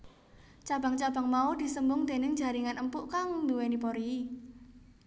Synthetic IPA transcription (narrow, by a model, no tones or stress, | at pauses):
t͡ʃab̥a̤ŋt͡ʃab̥a̤ŋmaud̪̥i̤səmbʊŋd̪̥e̤nɪŋd͡ʒa̤ɾiŋanəmpʊʔkaŋnd̪uwenipɔɾi